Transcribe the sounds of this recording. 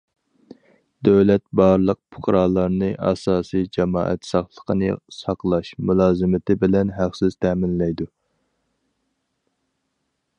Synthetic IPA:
d̪øwlɛt̪̚bɑɾlˠəq̚pʰʊ̥χɾɑlˠɑɾnɨʔɑ̰sɑːsijd͡ʒɛmɑ̰ːʔɛ̰t̪sɑχlˠəqʰənɨ̰sɑqlˠɑʃmulˠɑːzɨmɪt̪ʰɪbɪlɛnɦæqsɪz̥t̪ʰɛːmɪnlɛjd̪u

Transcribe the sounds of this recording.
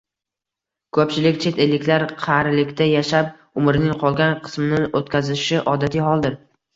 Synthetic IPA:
kʰɵpt͡ʃɪlɪkʲt͡ʃʰe̞t̪ʰelːɪkʲlaɾqʰɑɾlɪkʲt̪ajaʃap̚ | ʊmɪɾɪnɪŋqʰɒlˠɡʲanqʰɨ̥smɪnɪot̪kʲazɪʃɪʔɒd̪at̪ʰijɦɒlˠd̪ɪɾ

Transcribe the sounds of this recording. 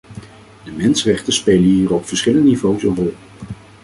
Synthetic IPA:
dəmɛnsərɛχtəspejləɦiːɹopfəɹsχɪləndənivowsənrɔlˠ

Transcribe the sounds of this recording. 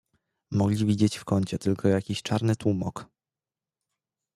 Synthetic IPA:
mɔɡlʲivʲid͡ʑet͡ɕfkɔɲt͡ɕɛt̪ɘlkʰɔjakʲiɕt͡ʂaɾnɘt̪wumɔk

